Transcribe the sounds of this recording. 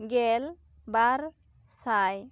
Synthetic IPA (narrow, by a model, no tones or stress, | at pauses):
ɡel | baɾ | saj